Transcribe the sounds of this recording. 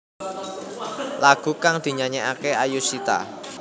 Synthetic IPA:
laɡ̥ṳkaŋd̪̥i̤ɲaɲɛʔakeajusit̪a̰

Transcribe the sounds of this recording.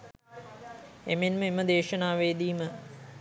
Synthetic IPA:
emenməeməd̪eːʃɐnaːʋeːd̪iːmə

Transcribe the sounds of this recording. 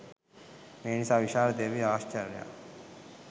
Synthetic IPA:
meːnisaʋiʃaːɾd̪eːʋiaːʃt͡ʃɐɾlja̰

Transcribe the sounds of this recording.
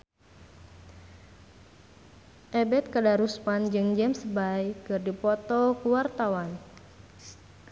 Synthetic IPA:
ʔɛbɛt̪̚kədaɾuspand͡ʒɨŋd͡ʒɛmsbajkɨrdipɔt̪ɔkuwart̪awan

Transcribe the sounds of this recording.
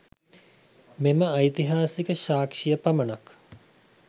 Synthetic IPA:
meməɐjt̪iɦaːsikəʃaːkʂijəpamənak

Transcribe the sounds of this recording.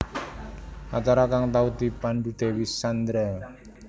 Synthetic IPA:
ʔat͡ʃaɾakaŋt̪aud̪ipandud̪̥ewisand̪ɾa

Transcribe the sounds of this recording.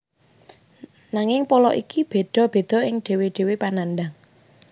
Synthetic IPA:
naŋɪŋpɔlɔʔikib̥e̤d̪̥ɔ̤b̥e̤d̪̥ɔ̤ɪŋɖ̥e̤weɖ̥e̤wepananɖ̪aŋ

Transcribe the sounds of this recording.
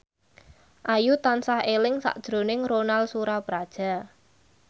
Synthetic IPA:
ʔajut̪ansahelɪŋsa̰ʔd̥ʒ̥ɾonɪŋɾonalsuɾapɾad̥ʒ̥a̤

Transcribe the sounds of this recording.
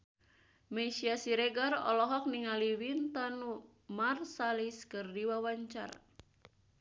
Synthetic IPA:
mɛsiasiɾɛɡarɔ̰lɔɦɔk̚niŋaliwint̪anu | marsaliskɨrdiwawaɲt͡ʃa̰ra

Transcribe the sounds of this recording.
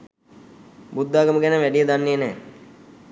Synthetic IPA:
bud̪ːaːɡəməɡænəʋæɖijəd̪anːeənɛː

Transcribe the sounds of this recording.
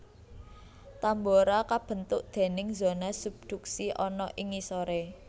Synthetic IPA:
t̪amboɾakab̥ə̤nt̪ʊʔd̪̥e̤nɪŋzonasub̚d̪̥ṳk̚siʔɔnɔʔiŋisoɾe

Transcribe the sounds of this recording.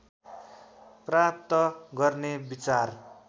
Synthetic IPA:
prap̚t̪ʌɡʌrnebit͡sar

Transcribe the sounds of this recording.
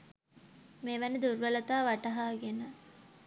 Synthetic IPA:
meʋɐned̪urʋɐlɐt̪aːʋaʈɐɦaːɡenə

